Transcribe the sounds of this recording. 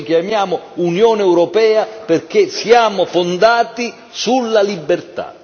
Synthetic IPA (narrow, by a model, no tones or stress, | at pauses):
kjamjaːmʊunjɔːneɛwɾɔpɛːaperk̟esjaːmofond̪aːt̪i | sulːalibːert̪a̰